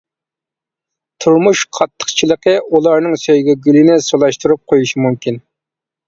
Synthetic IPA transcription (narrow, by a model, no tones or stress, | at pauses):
t̪ʰuɾmuʃqʰɑt̪ʰːə̥χt͡ʃʰilˠəqəʔulˠɑɾnɨŋsøjɡʲɛɡʲylɪnɪsolˠɑʃt̪uɾup̚qʰojuʃimumkʲin